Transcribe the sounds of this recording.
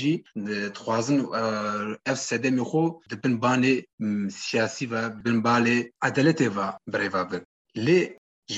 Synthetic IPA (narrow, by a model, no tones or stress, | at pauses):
ʒid̪ɨxʷɑːzɨn | ɛvsɛd̪ɛmeːxʷod̪ɨbɨnbɑːnesijɑːsivɛbɨnbaːleʔad̪ɛlɛt̪evabɨɾeːvɑːbɨk | le | ʒ